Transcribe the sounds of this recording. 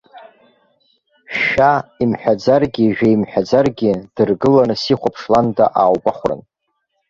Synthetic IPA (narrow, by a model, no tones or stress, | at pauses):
ʃaimħᶣad͡zarɡʲiʒᶣaimħᶣad͡zarɡʲid̥ɨrɡɨlanɨsiχʷapʰʂlandaʔaːwbaχʷrɨ̰n